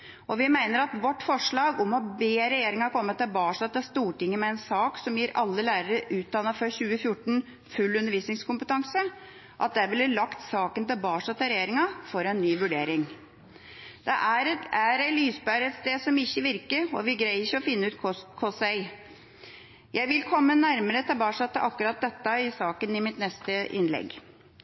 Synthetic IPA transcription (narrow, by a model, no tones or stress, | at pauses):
ʔɔʋɪmæɪnəɾɑt̪ʋɔʈːfɔʂɭɑːɡɔmɔbeːɾɛjeːɾɪŋɑkʰɔmːət̪ʰɪlbɑːʂɑt̪ɪst̪uːʈɪŋːəmɛɛnsɑːksɔmjiɾɑlːəlæːɾəɾəʔʉːt̪̚d̪ɑnːɑfœɾçʉːəfjʊʈːɳ̩ | fʉlːʉnːəɾʋiːsnɪŋskʰʊmpət̪ʰɑŋsə | ʔɑ̰t̪̚d̪ɛæʋɪləlːɑkt̪sɑːkənt̪ɪlbɑːʂɑt̪ʰɛɾɛjeːɾɪŋɑfɔɾɛnːyːʋʉɖeːɾɪŋ | d̪̥ɛʔæɾæɾælyːsbæɾɛt̪st̪eːd̪sɔmɪçːəʋɪɾkəɾɔ̰ʋɪɡɾæɪɪçəɔfɪnːəʉːt̪ʰkʰɔsɛɪ | jʔæɪʋɪlkʰɔmːənæɾməɾət̪ʰɑbɑːʂɑt̪ːəʔɑkːʉɾɑt̪̚d̪ɛt̪ːəɪsɑːkənɪmɪt̪nɛst̪əʔɪ̰nlɛ̰ɡ